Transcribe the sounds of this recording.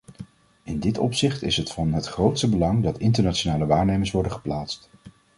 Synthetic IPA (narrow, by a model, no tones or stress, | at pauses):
ɪndɪtɔ̰psɪχtɪsɦətfɑnɦətχrowtstəbəlɑŋdɑtɪntəɹnaːt͡ʃonaːləʋaːɹnejməsʋɔɹdəχə̥plaːtst